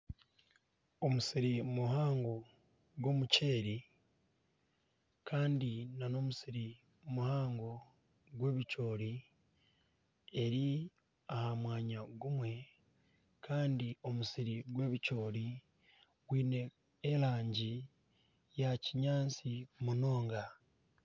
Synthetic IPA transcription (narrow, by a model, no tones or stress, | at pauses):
o̞musiɾimuɦaːŋɡo̞ | ɡwo̞ːmuce̞ːɾi | kʰaːndinano̞ːmusiɾi | muhaːŋɡo̞ | ɡwe̞ːβico̞ːɾi | e̞ɾi | ahamwaːɲaɡumwe̞ | kaːndio̞musiɾiɡwe̞ːβico̞ːɾi | ɡ̥wiːne̞ | eɾaːɲɟi | jaciɲaːnt͡simuno̞ːŋɡa